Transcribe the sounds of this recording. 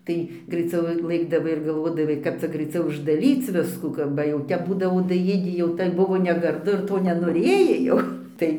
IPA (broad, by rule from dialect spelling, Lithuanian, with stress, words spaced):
ˈtɐɪ ɡrɐɪˈt͡sʲɛʊ ˈlˠɘɡdɐʋɐɪ ɪr ɡɐlˠˈʋoːdɐʋɐɪ ˈkɐp t͡sʲɛ ɡrɐɪˈt͡sʲɛʊ ʊʒdɐˈrʲiːt͡s ˈʋʲɪskuː kɐ bɐ jɛʊ ˈtʲɛp ˈbuːdɐʋoː dɐˈjeːdʲiː jɛʊ tɐɪ ˈbʊʋoː nʲɛɡɐrˈdʊ ɪr ˈtoː nʲɛnoːˈrʲeːjɛɪ jɛʊ ˈtɐɪ